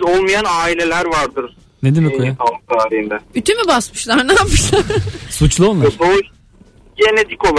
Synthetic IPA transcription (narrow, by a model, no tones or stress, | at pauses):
zolˠmajanaːilʲe̞lʲæɾvaɾd̪ɯɾ̥ | ned̪imikʰojaalt̪ʰaːɾiɦind̪ɛyt̪ʰymibasmɯʃlˠaɾnaːpɯʃsasut͡ʃlˠuolˠlˠaɾo | ɟenet̪ʰiko̞lˠ